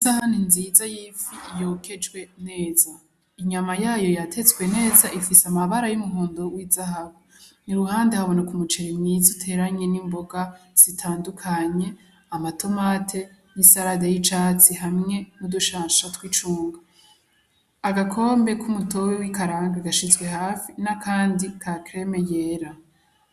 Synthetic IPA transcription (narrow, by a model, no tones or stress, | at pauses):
izahaninzizajiːfijo̞ːkʰe̞d͡ʒɡwe̞ne̞ːza | iɲamajaːjo̞jatʰe̞t͡swe̞ne̞ːzaʔifisamaβaɾajumuɦoːndowizahaβo | niɾuhaːndehaβo̞nakumut͡ʃeɾemɲizutʰe̞ːɾaɲe̞nimbo̞ɡaz̥itʰaːndukʰaɲe̞ | amatʰo̞maːtʰe̞nisaɾadejit͡ʃaːt͡siɦamŋe̞nuduʃaːnʃatwiːt͡ʃuːŋɡa | aɡakʰo̞ːmbe̞kʰumuto̞wewikaɾaːŋɡaɡaʃizɡwe̞ɦaːfinakʰaːndikʰakɾe̞me̞jeɾa